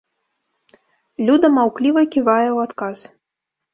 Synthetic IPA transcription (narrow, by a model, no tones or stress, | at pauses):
lʲud̪ɐmawklʲivɐkʲivajɛwat̪kas